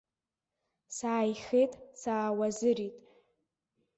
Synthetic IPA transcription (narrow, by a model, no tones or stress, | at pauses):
saːjχejtʼsaːwazɨritʼ